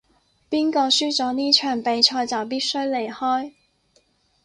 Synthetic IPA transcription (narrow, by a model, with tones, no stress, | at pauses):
pi˥ŋkɔ˧˥ɕy˥t͡sɔ˨˧˥ni˥t͡ʃʰœ˨˩npe˨˥jt͡ʃʰɔ˧˥jt͡sɑ˨˩wpi˥sɵ˥ɥle˨˩jhɔ˥j